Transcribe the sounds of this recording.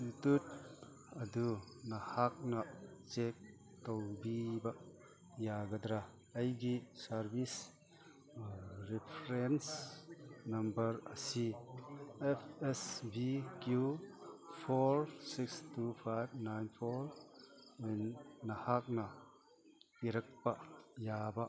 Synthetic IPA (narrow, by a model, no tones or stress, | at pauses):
sutut̪̚ | ɐdunahak̚naʔt͡ʃek̚ | towbibaʔ | jaɡɐd̪ɾa | ɐjɡisɐɾbis | ɾipʰɾens | nɐmbɐɾɐsi | ɛfɛsbikju | pʰoɾsikst̪ʰupʰajbnajnpʰɔɾwɛnːɐhak̚na | iɾɐk̚paʔjabaʔ